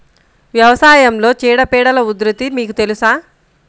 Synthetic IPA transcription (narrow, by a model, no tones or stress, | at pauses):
ʋjɐʋɐsaːjɐmlo̞ːt͡ʃiːɽɐpɛːɽɐlɐud̪ɾɐt̪imiːkut̪e̞lusaː